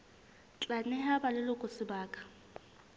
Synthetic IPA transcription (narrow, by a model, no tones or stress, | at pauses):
t͡ɬʼanɛɦabalɪlʊkʼʊsɪbaːkʼḁ